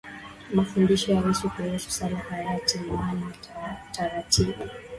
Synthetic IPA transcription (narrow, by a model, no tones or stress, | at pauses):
mafundiʃɔjawɛsukuhusu̥salahajatiwanataɾatʰiɓu